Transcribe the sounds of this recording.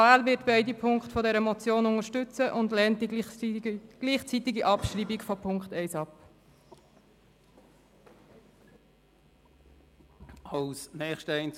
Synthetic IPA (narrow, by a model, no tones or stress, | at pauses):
aːlvɪːtb̥ɛɪdipʰʊŋkχtfɔdɛɾəmɔt͡sjoːnʊŋəʃtʏt͡səʔʊndlɛːntdi | ɡ̥liːχt͡sitɪɡiʔɑpʃriːbikfɔpʰʊŋktɛɪsɑp | ɑlsnɛːχʃtəɛɪn